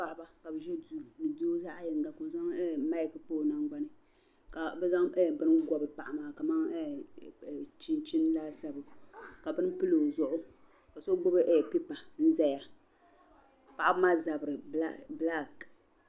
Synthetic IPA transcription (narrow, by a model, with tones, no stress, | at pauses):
pa˦ʔba˦ka˨bɨ˨ʒɛ˦duː˨nɨ˨do˦za˦ʔa˦jɪ˨ŋɡa˨ko˨za˦ŋɛ˦ma˦i˨kpoː˦˨na˦ŋɡ͡ba˦nɨ˦ | ka˨bɛ˦za˦ŋɛ˦˨bɨ˦n˦ɡɔ˨bɨ˨pa˨ʔa˨maː˨˦˨ka˨ma˦ŋɛ˦˨ | t͡ʃi˦nt͡ʃɪ˦n˦laː˦sa˦bɨ˨ka˨bɨ˦n˦pɨ˦lo˨zʊ˦ʔʊ˦ | ka˨so˦ɡ͡bʊ˦bɨ˦ʔɛ˨pi˦pa˨n̩˦zɛ˦ja˨ | pa˨ʔa˦bɨ˦ma˦za˨bɨ˨ɾɨ˨bla˦˨k